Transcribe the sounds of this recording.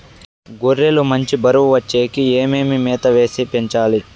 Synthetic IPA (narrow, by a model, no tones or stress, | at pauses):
ɡuɾːelumɐɲt͡ʃibɐɾuʋʋɐt͡ʃːeːkieːmeːmimeːt̪ɐʋe̞ːsipeɲt͡ʃaːli